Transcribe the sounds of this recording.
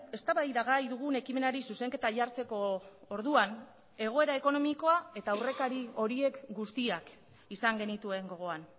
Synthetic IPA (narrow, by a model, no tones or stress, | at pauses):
e̞st̪aβajðaɣajðuɣ̞une̞kime̞naɾisuse̞ŋke̞t̪aʎaɾt͡se̞ko̞ːɾðuan | e̞ɣ̞o̞eɾae̞ko̞no̞miko̞ae̞t̪aːwre̞kaɾio̞ɾie̞kɡust̪iak | isaŋɡe̞nit̪ue̞ŋɡo̞ɣ̞o̞an